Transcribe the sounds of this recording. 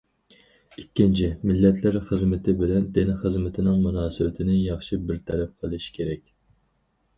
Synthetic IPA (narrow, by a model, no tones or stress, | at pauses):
ikʲːint͡ʃʰɪmɪlːɛt̪ʰlæɾχəzmɪt̪ʰɪbɪlɛnd̪enɪχəzmɪt̪ʰɪnɪŋmunɑːsɨbɪt̪ʰɪnɪjɑχʃibɪɾt̪ʰɛɾɛp̚qʰəlˠɨʃi̥kʲʰeɾɛkʲ